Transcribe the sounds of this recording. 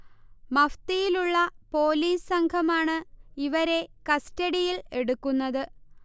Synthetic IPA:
mɐft̪ijiluɭːɐpo̞ːliːssɐŋkʰɐmaːɳɨiʋɐɾe̞kɐstɐɽijile̞ɽukːunːɐðɨ

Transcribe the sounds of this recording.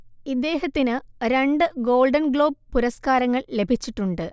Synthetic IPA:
id̪ːe̞ːɦɐt̪ːinɨɾe̞ɳɖɨɡo̞ːlɖɐnɡɭo̞ːb̚puɾɐskaːɾɐŋːɐɭle̞bʱit͡ɕːiʈːuɳɖɨ

